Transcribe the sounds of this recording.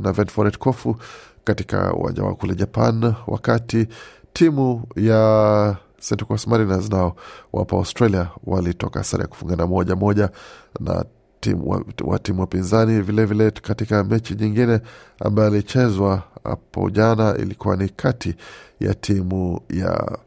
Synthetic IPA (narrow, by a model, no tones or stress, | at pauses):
navɛntfɔɾɛtkʰɔfu | katika̰ṵwa̰nd͡ʒa̰wa̰kulɛʄapa̰nwa̰katitʰimuja | sɛntɛkɔsmaɾinaznaɔwa̰pɔa̰ustɾaliawalitɔkaasaɾa̰ja̰ku̥fuŋɡanamɔʄamɔʄana̰ | iwawa̰timuwapinzanivilɛvilɛkatikamɛt͡ʃiɲiŋɡinɛa̰mbajɔalit͡ʃɛzwaha̰pɔ̰ʄanaḭlikuwanikʰatʰija̰tʰimuja̰